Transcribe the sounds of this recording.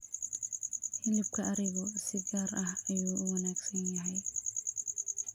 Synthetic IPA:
hɪldɪbkʰɐɐɾɪɣɔsɪɡaːɾɐhɐjuːʊwɐnaːɡsɐnjɐɦɛj

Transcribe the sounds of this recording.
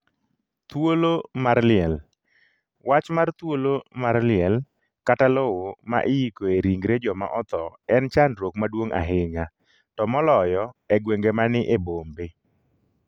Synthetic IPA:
t̪wolomarlɪɛl | wat͡ʃmart̪wolomarlɪɛl | katalowoma̰ʔɪjikoeɾiŋɡɾed͡ʒɔma̰ʔɔt̪ɔɛnt͡ʃandɾokmadwoŋa̰ɦɪɲa | tɔmɔlɔjɔɛɡweŋɡemanɪʔebombe

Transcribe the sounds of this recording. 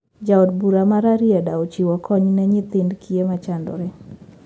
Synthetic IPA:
d͡ʒaɔdbuɾamaɾaɾjɛdaot͡ʃiwɔkʰɔɲnɛɲɪt̪ɪndkʰiemat͡ʃandɔ̰ɾɛ

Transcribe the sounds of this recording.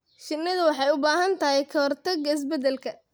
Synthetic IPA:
ʃɪnːɪðɐwɑħɑjʊbaːɦɐnt̪ʰɐɦɛjkʰɐɔrt̪ʰɐɡɐɪs̬bɛd̪ɛlkʰɐ

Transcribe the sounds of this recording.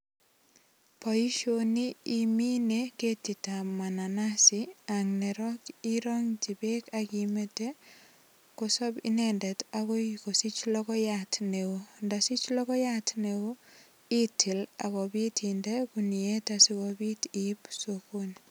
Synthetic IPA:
pɔiʃoniːmineketitamananasiaŋneɾɔkiɾɔŋt͡ʃibekakimete | kosɔbḭnɛndɛtakɔikosit͡ʃlɔkɔjatneondasit͡ʃlɔkɔjatneo | itʰila̰kɔbitʰindekunietasikɔbitipsokun

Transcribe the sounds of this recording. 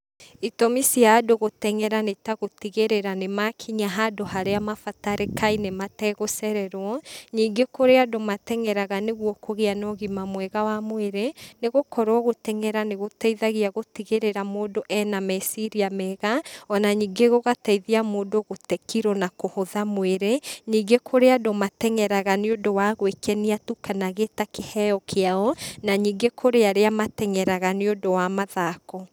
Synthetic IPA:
itɔmisiaːdoɣotɛŋɛɾanetaɣotiɣeɾeɾanemakʰiɲaɦadoɦaɾeamafataɾekʰainematɛɣosɛɾɛɾwɔɲiːŋɡekoɾeadomatɛŋɛɾaɣaneɣwɔkoɣeanɔɣimamwɛɣawamweɾeneɣokɔɾwɔɣotɛŋɛɾaneɣotɛiðaɣiaɣotiɣeɾeɾamoːdoʔɛnamɛsiɾiamɛɣaɔnaɲiːŋɡeɣoɣataiðiamoːdoɣotɛkiɾɔnakohoðamweɾeɲiːŋɡekʰoɾeadomatɛŋɛɾaɣaneodowaɣwekɛniatukanaɣetakehɛjɔkʰeaɔnaɲiːŋɡekʰoɾeaɾeamatɛŋɛɾaɣaneodowamaðaːkɔ

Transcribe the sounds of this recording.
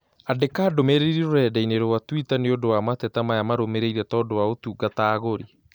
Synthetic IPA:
adekaːdomeɾeɾiɾoɾɛdaineɾowatwitaneodowamatɛtamajamaɾomeɾeiɾɛtadowaotuɡataːɣoɾi

